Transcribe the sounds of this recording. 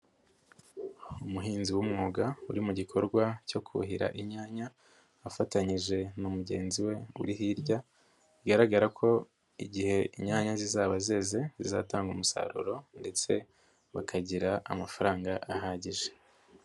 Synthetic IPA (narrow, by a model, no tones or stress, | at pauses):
umuɦiːnziwumŋuːɡauɾimuɟikʰo̞ɾɡwaco̞kʰṵɦiɾa̰ʔiɲaːɲaː | fataɲiʒe̞numuɟe̞ːnziwe̞ṵɾiɦiɾɟa | iɡaɾaɡaɾakʰo̞ | iɟihe̞iɲaːɲazizaːβaze̞ːze̞ziza̰ːtaːŋɡumusa̰ɾṵɾo̞nde̞t͡se̞ | βa̰kʰaɟiɾaa̰mafaɾaːŋɡaʔaɦaːɟiʒe